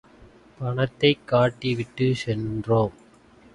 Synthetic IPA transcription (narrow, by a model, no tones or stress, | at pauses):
pɐɳɐt̪ːɐɪkːaːʈːiʋɪʈːɯsɛndroːm